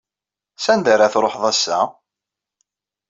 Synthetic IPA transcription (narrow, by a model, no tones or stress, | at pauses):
sænd̪aɾaθɾˤoħðˤæsːa̰